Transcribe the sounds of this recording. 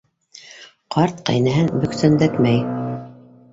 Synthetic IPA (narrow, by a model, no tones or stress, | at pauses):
qʰɑɾt̪qæ̰jnæɦɘnbɵ̆ksænd̪æt̪mæj